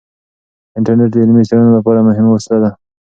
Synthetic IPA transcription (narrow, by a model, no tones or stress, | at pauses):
ɪɳʈaɾneʈ̬d̪ɪlmit͡ʃaɽanolapɑɾamʊɦɪmawaslad̪a